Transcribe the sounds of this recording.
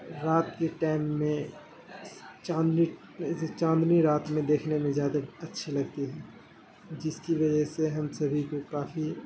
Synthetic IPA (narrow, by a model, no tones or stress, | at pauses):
ɾaːt̪keʈaːɪmːẽ | t͡ʃãːnd̪ni | t͡ʃãːnd̪niɾaːt̪mẽd̪eːkʰnemẽzjaːd̪aɐtːʃʰelɐɡt̪iɦɛː | d͡ʒɪskiʋɐd͡ʒəɦseɦɐmsɐbʱikokaːfi